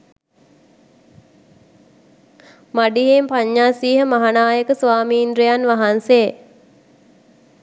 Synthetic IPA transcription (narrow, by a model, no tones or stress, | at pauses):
maɖiɦempaɲːaːsiːɦəmaɦanaːjəkəsʋaːmiːnɾejanʋaɦanse